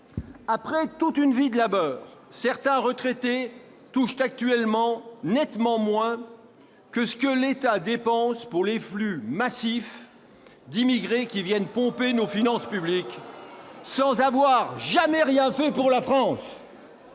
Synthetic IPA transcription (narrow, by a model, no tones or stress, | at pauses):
apχɛt̪ut̪ynvid̪əlabœːʁsɛʁt̪ɛ̃ʁət̪χet̪e | t̪uʃt̪ak̚t̪ɥɛlmɑ̃nɛt̪mɑ̃mwɛ̃ | kəsə̥kəlet̪ad̪epɑ̃spuʁleflymasif | d̪imiɡʁekʲivjɛnpɔ̃penofinɑ̃spyblik | sɑ̃zavwaʁʒamɛʁjɛ̃fɛpuʁlafχɑ̃s